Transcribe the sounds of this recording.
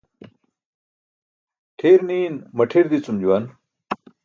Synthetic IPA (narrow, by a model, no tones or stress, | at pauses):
ʈʰeːɾniːnmɐʈʰeɾd̪it͡sumd͡ʑuwan